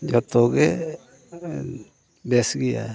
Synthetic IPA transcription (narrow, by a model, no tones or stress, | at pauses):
d͡ʒɔt̪ɔɡɛ | bɛsɡija̰